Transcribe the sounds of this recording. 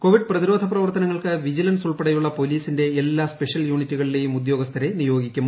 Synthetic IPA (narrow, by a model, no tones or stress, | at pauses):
ko̞ʋiɖprɐðiɾo̞ːd̪ʱɐprɐʋɐrt̪ɐnɐŋːɐɭkɨʋid͡ʑilɐnsuɭpɐɽɐjuɭːɐpo̞liːsinde̞ːlːaːspe̞ʂjɐljuːɳitːuɣɐɭile̞ːjumud̪jo̞ːɡɐst̪ʰɐɾe̞nijo̞ːɡikʲːumː